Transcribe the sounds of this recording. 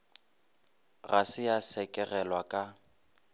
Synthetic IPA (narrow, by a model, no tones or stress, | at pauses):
ɣasɪjasɛkʼɛɣɛlwakʼa